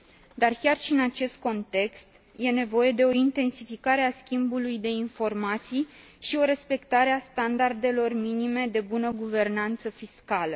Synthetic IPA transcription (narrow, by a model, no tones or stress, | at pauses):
d̪arkʲarʃiɨnat͡ʃe̞st̪̚ko̞nt̪e̞kst̪ | je̞ne̞vo̞je̞d̪e̞o̞int̪e̞nsifikaɾe̞askʲimbulujd̪e̞info̞rmat̪sij | ʃio̞ɾe̞spe̞kt̪aɾe̞ast̪and̪ard̪e̞lo̞rminime̞d̪e̞bunəɡuve̞rnant̪səfiskalə